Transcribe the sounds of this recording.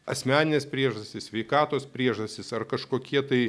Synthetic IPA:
ɐ̰sʲmʲæːnʲɪnʲeːspʲɾʲiɛʒɐsʲtʲɪssʲʋʲɛɪkɑːt̪oːspʲɾʲiɛʒɐsʲt̪ʲɪsɐrkɐʃkoːkʲiɛt̪ɐɪ

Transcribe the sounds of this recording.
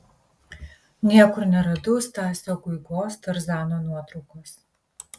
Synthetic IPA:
nʲiɛkʷʊrnʲɛɾɐdʊstʰaːsoɡʷʊjɡoːstʰɐrzaːnoːnuɔtɾukʷʰos

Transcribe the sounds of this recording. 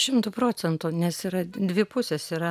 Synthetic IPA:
ʃʲɪmt̪ʊpɾoːt͡s̪ʲɛnt̪ʊnʲɛsiɾɐd̪ʲʋʲɪpʊsʲesiːɾɐ

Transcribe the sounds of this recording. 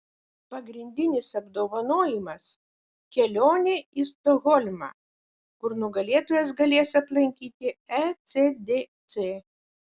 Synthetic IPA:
pɐɡɾʲɪnʲd̪ʲɪnʲɪsɐbd̪oːʋɐnoːjɪmɐs | kʲɛlʲoːnʲeist̪ɔɣɔlʲmɐ̰ː | kʊɾnʊɡɐlʲeɛt̪oːjɛs̬ɡɐlʲeːsɐplˠɐŋʲkʲiːt̪ʲɪɛt̪sʲed̪ʲeːt̪sʲeː

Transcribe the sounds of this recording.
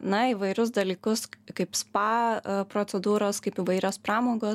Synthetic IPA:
nɐiʋɐɪɾʲʊsd̪ɐlʲiːkʊskɐɪpspɑːpɾoːt͡s̪sʲɛd̪uːɾoːskɐɪpiʋɐɪɾʲoːspɾɑːmoːɡoː

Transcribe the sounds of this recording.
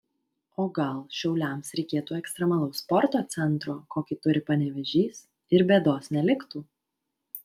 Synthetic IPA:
oːɡɐlˠʃʲɛʊlʲɛˑmsɾʲɛɪkʲeːt̪uːɛkst̪ʲɾʲɛmɐlˠɐʊspɔɾt̪oːt̪sʲɛnˑt̪ɾoːkoːkʲɪt̪ʊɾʲɪpɐnʲɛʋʲɛʒʲiːs | ɪɾbʲeːd̪oːsnʲɛlʲɪkt̪uː

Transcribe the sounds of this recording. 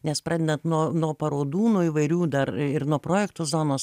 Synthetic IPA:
nʲɛspɾɑːdʲɛd̪ɐnt̪nuɔnuɔpɐɾoːd̪uːnoːiːʋɐɪɾʲuːd̪ɐɾɪɾnuɔpɾoːjɛkt̪oːzoːnoːs

